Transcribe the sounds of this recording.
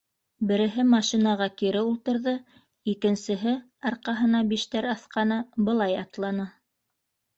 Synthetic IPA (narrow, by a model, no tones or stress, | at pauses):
bɘ̆ɾɘ̆ɦɘmɑʃinɑʁɑkiɾɘulˠt̪ɤ̆ɾðɤ | ikɘ̆nsɘ̆ɦɘ | ɑɾqɑɦɤ̆nɑbiʃt̪æɾɑθqɑnɤbɤ̆lˠɑjɑt̪lˠɑnɤ